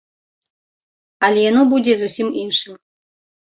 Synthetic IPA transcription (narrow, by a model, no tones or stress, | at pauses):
alʲeɛnubudʲezusʲiminʂɨ